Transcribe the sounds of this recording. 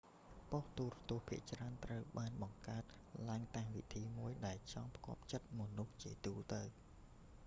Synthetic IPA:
poht̪uːrɑt̪ŭəhpʰiəʔt͡ɕraənt̪rəwɓaːnɓɑŋkaət̪̚ | laəŋt̪aːŋʋit̪ʰiːmuəjɗaɛlt͡ɕɑŋpkŏəp̚t͡ɕət̪̚mŏnuht͡ɕiət̪uːlt̪əw

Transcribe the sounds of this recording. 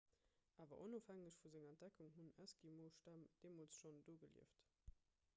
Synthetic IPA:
ʔaːvɐ̰ʔonoːfhæŋəɕfuzeŋɛnt̚d̥ækuŋɦunæskimoːʃtæmd̥eːmoːlsʃondoːɡəliəft

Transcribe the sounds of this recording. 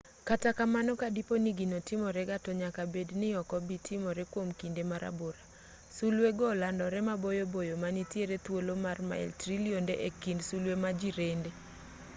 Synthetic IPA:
katakamanɔkadiponiɡinotɪmɔɾɛɡatɔɲakabednɪɔkɔbitʰɪmɔɾɛkwomkindemaɾa̰boɾa | sulweɡɔlandɔɾɛmabojobojomanitjeɾet̪wolomarma̰ɛ̰ltɾiliondeʔekindsulwemad͡ʒiɾende

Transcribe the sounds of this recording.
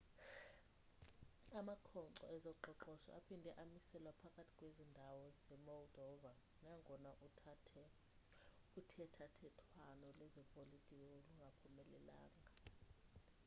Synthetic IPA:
amakʰɔǀɔ̰ɛzɔǃɔǃɔʃɔ̰ʔa̰pʰindʱɛʔamisɛlwapʰakʼatʰi̥kʼwezindʱawɔzɛmɔldʱɔva | naŋʱɔnaʔuɛ | utʰɛtʰatʰɛtʰwanɔlɛzɔpʼolitʼikʼɔoluŋɡʱapʰumɛlɛla̰ːŋɡʱa

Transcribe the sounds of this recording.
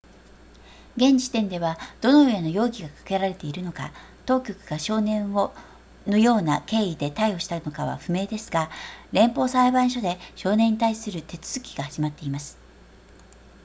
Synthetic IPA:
ɡẽ̞ɲ̟d͡ʑi̥t̪ẽ̞nd̪e̞βad̪̥o̞no̞ɯeno̞jo̞ːɡʲiɡakḁke̞ɾaɾe̞t̪e̞iɾɯ̟no̞ka̰ | t̪o̞ːkʲo̞kɯ̟ɡ̥aɕo̞ːnẽ̞ɰ̃o | no̞jo̞ːnake̞ːid̪e̞t̪aio̞ɕi̥t̪ano̞kaβa̰ɸɯ̟me̞ːd̪e̞sɨ̥ɡaɾẽ̞mpo̞ːsaibãɰ̃ɕ̬o̞d̪e̞ɕo̞ːneɲ̟ːit̪aisɨɾɯ̟t̪e̞t͡sɨ̥z̥ɨkʲi̥ɡ̥ahaʑ̥imat̪ːe̞imasɨ̥

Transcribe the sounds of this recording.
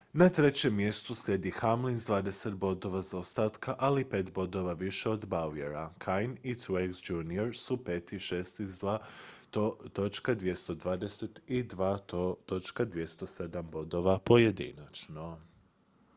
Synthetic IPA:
nat̪ɾe̞t͡ɕe̞mːje̞st̪uslʲje̞d̪ixamlinzd̪ʋaːd̪e̞se̞t̪̚bo̞d̪o̞ʋazaost̪aːt̪kaʔalipe̞ːt̪bo̞d̪o̞ʋaʋiʃeo̞d̪baujeɾakʰajnit̪weɡzd͡ʒunioɾsupe̞ːt̪iʃest̪izd̪ʋa | t̪o̞t͡ʃkad̪ʋje̞st̪o̞d̪ʋaːd̪e̞se̞t̪id̪ʋaːot̪o̞t͡ʃkad̪ʋje̞st̪o̞se̞d̪ambo̞d̪o̞ʋapo̞je̞d̪ḭnat͡ʃno

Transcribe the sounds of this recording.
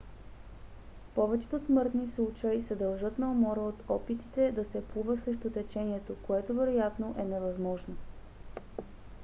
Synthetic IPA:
pɔvɛt͡ʃɛ̥t̪osmɤɾt̪nislˠut͡ʃəjsɛd̪ɐlˠʒɤt̪nɐomɔɾəot̪ɔpit̪it̪ɛd̪ɐsɛpuvəsɾɛʃt̪ot̪ɛt͡ʃɛniɛt̪okoɛt̪ovɛɾojat̪noʔɛnɛvɐzmɔʒno

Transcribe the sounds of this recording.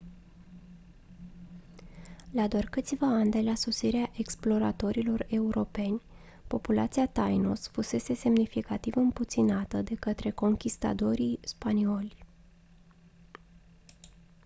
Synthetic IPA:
lad̪oarkɨt̪sʲvaand̪e̞lasosiɾeaʔe̞ksplo̞ɾa̰t̪o̞ɾilo̞re̞uɾʔo̞pe̞nʲ | po̞pula̰t̪siat̪ajnosfuse̞se̞se̞mnifikat̪ivɨmput̪sinat̪əd̪e̞kət̪ɾe̞ko̞ŋkʲist̪a̰t̪o̞ɾispanio̞lʲ

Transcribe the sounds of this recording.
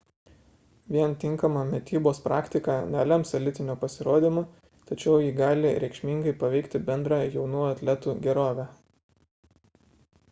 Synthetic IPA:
ʋʲiɛnt̪ʲɪŋˑkɐmɑmʲɛt̪ʲiːboːspɾɑːkʲt̪ʲɪkɑnʲælʲɛmsɐlʲɪt̪ʲɪnʲuːpɐsʲɪɾoːd̪ʲiːmu | t̪ɐt͡ʃʲɛʊjiːɡɑːlʲɪɾʲɛɪkʃʲmʲiŋɡɐɪpɐʋʲɛɪkt̪ʲɪbʲɛnd̪ɾɑjɛʊnuːɐt̪ʲlʲɛt̪uːɡʲɛɾoːʋʲæː

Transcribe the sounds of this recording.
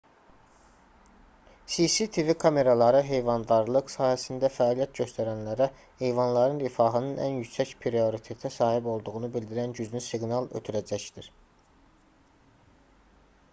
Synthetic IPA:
sisit̪ʰivikʰɑme̞ɾɑlˠɑɾɯɦe̞jvɑnd̪ɑɾlˠɯqsɑːhæsind̪æfæːlijæt̪̚ɟø̞st̪ʰæɾænlæɾæ | he̞jvɑnlˠɑɾɯnɾifɑɦɯnɯnʔæ̰njycsæcpʰɾio̞ɾit̪ʰe̞t̪ʰæsɑːhibo̞lˠd̪uʁunubild̪iɾænɟyznysiɡnɑlˠø̰t̪ʰyɾæd͡ʒæçd̪iɾ̥

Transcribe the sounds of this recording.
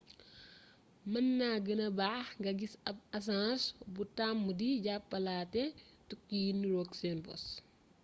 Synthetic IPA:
mɐnːaɡənɐbaːxŋɡɐɡisɐb̚ɐs̬ãːsbutamːudiɟapːɐlaːtɛtukːijinːiɾɔːɡsɛnbɔ̰s

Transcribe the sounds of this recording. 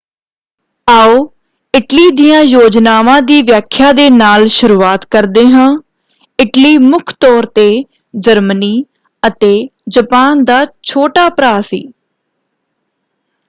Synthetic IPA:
aːoː | ɪʈliːd̪ɪjãːjoːd͡ʒnaːʋãːd̪iːʋjaːkʰːjaːd̪eːnaːlʃʊɾuːaːt̪kəɾd̪eːɦãː | ɪʈliːmʊkʰt̪ɔːɾt̪eː | d͡ʒəɾməniː | ət̪eːd͡ʒəpaːnd̪aːt͡ʃʰoːʈaːpɾaːsḭː

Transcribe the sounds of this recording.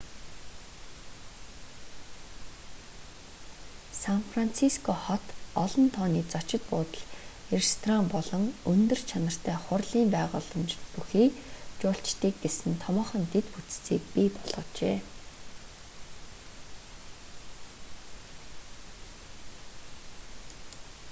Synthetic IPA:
sanfran̥t͡sʰiskʰɔχɔt̪ɔɮɞ̆nt̪ʰɔːniːt͡sat͡ɕɪ̆t̪̚pʊːt̪ə̆ɮxerest̪ʰrampɔɮɞ̆ŋɵnt̪ɵ̆rt͡ɕʰanə̆r̥t̪ʰæːχʊrɮiːmpæːʁʊːɮə̆mt͡ɕpuxiːkt͡ɕʊːɬt͡ɕt̪iːk̚ɡesɘ̆nt̪ʰɔmɔːχə̆nt̪ʰet̪put͡st͡siːk̚pipɔɮʁɞ̆t͡ɕḛː

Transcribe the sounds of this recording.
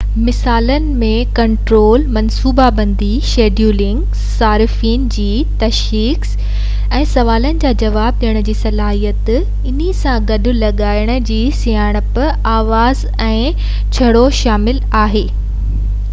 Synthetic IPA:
mɪsaːlənɪ̆mẽkɐ̃ɳʈɾoːlmɐ̃nsuːbabɐ̃nd̪iʃeːɖjuːlɪ̃ŋɡ | saːɾɪfiːnd͡ʑiː | t̪ɐʃ | iːks | ɛ̃ːsɐʋaːlənɪ̆d͡ʑaːd͡ʑɐʋaːb̚ɗiːəɽ̃ʊ̆d͡ʑiːsɐlaːɦijət̪ | ɪnisãɡɐɗʊ̆lɐɠaːɪɽ̃ʊ̆d͡ʑiːsijaːɽ̃əp | aːʋaːz | ɛ̃ː | t͡ɕʰɐɽoʃaːmɪlaːɦeː

